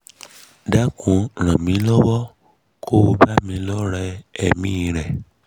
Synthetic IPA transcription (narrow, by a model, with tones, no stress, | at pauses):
da˦kʰũ˧˦ɾ̃ã˨mĩ˨˦lɔ˦wɔ˦ | kʰo˦o˧ba˦mĩ˧lɔ˦ɾɛ˧ɛ˨mĩ˦˧ɾɛ˨